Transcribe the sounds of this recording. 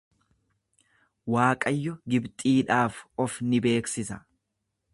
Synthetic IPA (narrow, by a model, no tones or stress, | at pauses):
waːkʼɐjːɔɡɪbt̪ʼiːᶑaːfɔfnɪbe̞ːksɪsɐ